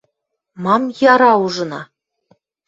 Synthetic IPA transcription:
mɑmjɑɾɑuʐɤ̆nɑ

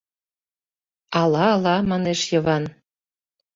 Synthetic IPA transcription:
ɑlɑːlɑmɑneʃjɤ̆βɑn

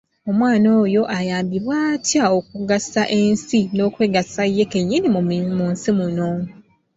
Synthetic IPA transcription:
o̞mwaːno̞ːjo̞ʔajaːmbiβwaːtjao̞k̚uɡasaʔe̞nsino̞ːkwe̞ːɡasajːe̞ke̞ɲːinimumunsimuno̞

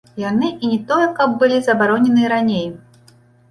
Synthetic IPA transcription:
janɨʔinʲɛt̪ɔjɛkɐb̚ːɨlʲizɐbaɾɔnʲɛnɨɾanʲej

